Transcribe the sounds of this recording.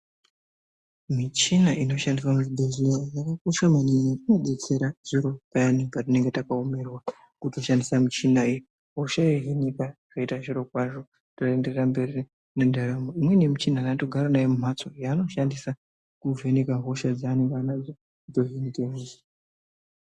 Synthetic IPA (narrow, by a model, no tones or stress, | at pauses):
mit͡ʃinaʔino̞ʃandiswamutiɓʱezijajakakoʃamaniatinoɓe̞t͡se̞ɾaʐ̥iɾo̞pajanipatine̞ŋɡe̞takaome̞rwa | kuto̞ʃandisamit͡ʃinaij | ɦo̞ʃaeɦenikaʐ̥aitaʐiɾo̞kwaʐo̞ | toendereambe̞ri | nendaramoimwe̞ne̞mit͡ʃinanato̞ɡʱaɾanajemum̤at͡so̞jaːno̞ʃandisa | kuve̞nekaɦo̞ʃad͡zaːne̞ŋɡaanad͡zo | to̞ɦenikeɦiʐi